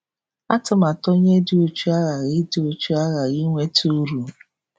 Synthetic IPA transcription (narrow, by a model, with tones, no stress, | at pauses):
a˦tʊ˨ma˨to˦ɲe˦dɪ˨o˦t͡ʃu˦a˦ɣa˨ɣɪ˦dɪ˨˦o˨t͡ʃu˦a˦ɣa˨ɣi˦ŋʷe˦tu˦ɾu˨